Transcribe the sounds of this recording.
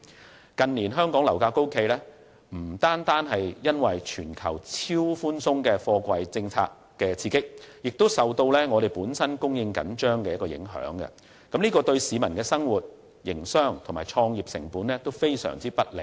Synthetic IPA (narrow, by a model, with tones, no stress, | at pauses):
kɐ˨nliː˨˩nɦœː˥ŋkɔː˨˥ŋlɐ˨˩wkaː˧ko˥wkʰe˧jlɛ˥ | m̩˨˩t̪aː˥nt̪aː˥nɦɐ˨jjɐ˥nwɐ˨jt͡ʃʰyː˨˩nkʰɐ˨˩wt͡sʰiː˥wfuː˥nsʊ˥ŋkɛː˧fɔː˧kʷɐ˧jt͡sɪ˧ŋt͡sʰa̰ː˧k | kːɛː˧t͡sʰiː˧kɪ˥k̚jɪ˨k̚t̪o˥wsɐ˨wt̪o˧wlɛː˥ŋɔ˨˧ɾe˨˩jpuː˨˥nsɐ˥nkʊ˥ŋjɪ˧ŋkɐ̰˨˥nt͡ʃœː˥ŋkɛː˧jɐ˥kːɔː˧jɪ̰˨˥ŋɦœ̰ː˨˥ŋɡɐ̰˧ | kɐ˨˥mliː˥kɔː˧t̪ɵ˧ɥsiː˨˧mɐ˨˩nkɛː˧sɐ˥ŋwuː˨t̚ | jɪ˨˩ŋsœː˥ŋt̪ʰʊ˨˩ŋmaː˨˩jt͡ʃʰɔː˧ŋjiː˨˩p̚sɪ̰˨˩ŋpuː˨˥nlɛː˥t̪o˥wfe˥jsœ̰ː˨˩ŋt͡siː˥pɐ˥t̚lḛ˨˩